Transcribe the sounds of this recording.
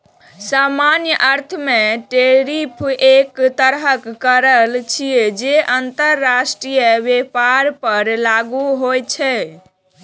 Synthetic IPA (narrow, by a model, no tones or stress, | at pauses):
samanjəʔəɾt̪ʰəmeʈeɾipʰekt̪əɾɦəkːəɾəlt͡ʃʰied͡ʒeʔənt̪əɾːasʈɾijəbepaɾpəɾlaɡuɦojt͡ʃʰɛ